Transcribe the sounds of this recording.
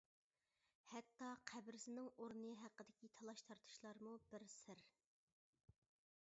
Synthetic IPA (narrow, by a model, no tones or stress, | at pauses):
hɛt̪ːɑqʰæbɾɪsɪnɪŋoɾnɨɦæqːəd̪ɪkʲit̪ʰɑlˠɑʃt̪ʰɑɾt̪ʰu̥ʃlˠɑɾmubɪɾsɪɾ